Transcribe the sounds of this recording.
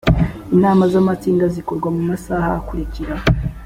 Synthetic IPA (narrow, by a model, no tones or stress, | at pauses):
inaːmazamat͡siːndazikoɾɡwamumasaːha̰ːkuɾiciɾa